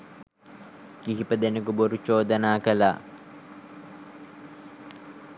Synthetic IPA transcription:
kiɦipɐd̪enekuboɾut͡ʃoːd̪ɐnaːkɐla̰

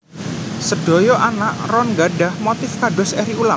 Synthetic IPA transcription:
səd̥ojɔʔanaʔrɔnɡaɖahmot̪ɪfkaɖɔ̤sɛɾiula

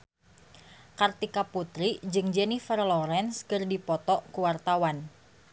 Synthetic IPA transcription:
kart̪ikaput̪ɾid͡ʒɨŋd͡ʒɛnifərlɔɾɛnskɨrdipɔt̪ɔʔkuwart̪awan

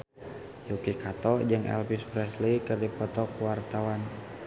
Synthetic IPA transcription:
jukikat̪ɔd͡ʒɨŋɛ̰lpispɾɛslikərdipɔt̪ɔkuwart̪awan

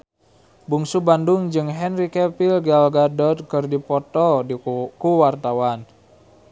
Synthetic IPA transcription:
buŋsubanduŋd͡ʒɨŋɦɛnrikɛpilɡalɡadɔt̪̚kɨrdipɔt̪ɔkuwart̪awan

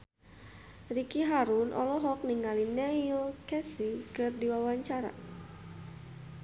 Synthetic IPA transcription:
rikiɦaɾunʔɔ̰lɔɦɔk̚niŋalinɛiɔkɛsikɨrdiwawaɲt͡ʃaɾa̰

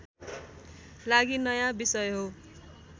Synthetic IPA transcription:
laɡinʌjãbisʌjɦo

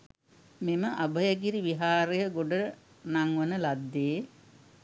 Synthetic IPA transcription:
meməʔabəjəɡiɾiʋiɦaːɾejəɡoɖə | naŋʋənəlad̪ːeː

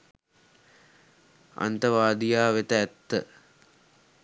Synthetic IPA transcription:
a̰nt̪ɐʋaːd̪ijaːʋet̪əæt̪ːə̰

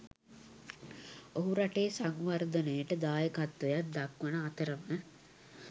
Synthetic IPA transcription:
oɦuɾaʈeːsaŋʋard̪ənejəʈəd̪aːjəkat̪ʋəjat̪̚d̪akʋənəat̪əɾəmə

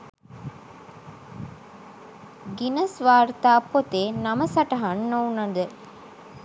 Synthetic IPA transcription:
ɡinɐsʋaːɾt̪aːpːot̪eːnɐməsɐʈɐɦɐnːounɐnd̪ə

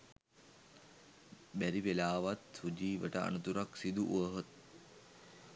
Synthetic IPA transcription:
bæɾiʋelaːʋat̪sud͡ʒiːʋəʈəa̰nut̪uɾaksid̪uʔuəɦot̪̚

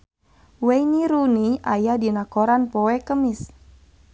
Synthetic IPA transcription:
wejniɾuniʔajadinakoɾanpowɛkəmɪs

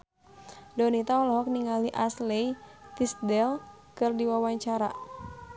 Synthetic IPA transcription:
dɔnit̪aɔlɔɦɔk̚niŋaliʔaslɛit̪isdɛl | kɨrdiwawaɲt͡ʃaɾa

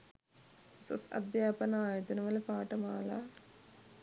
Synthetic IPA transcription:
ɐsɐ̰sɐ̰d̪jaːpɐnaːjɐt̪ɐnɐʋɐlɐpaːʈɐmaːla̰ː

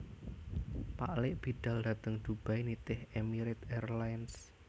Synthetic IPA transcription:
paʔlɪʔb̥i̤d̪̥a̤ld̥ä̤t̪əŋd̪̥ub̥a̤jnit̪ɪhemiɾɪt̪ɛrlajns

